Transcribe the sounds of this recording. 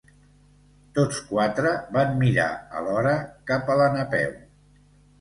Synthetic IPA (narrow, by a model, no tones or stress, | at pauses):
t̪ot͡skwat̪ɾəβammiɾa̰ə̰lɔɾəkapələnəpɛ̰w